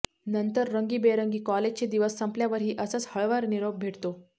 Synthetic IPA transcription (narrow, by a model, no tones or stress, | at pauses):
nənt̪əɾːəŋɡiːbeɾəŋɡiːkɔled͡ʑt͡ɕed̪iʋəsːəmpljaʋəɾɦiːʔəsət͡shəɭʋəɾniɾob̚bʱeʈt̪o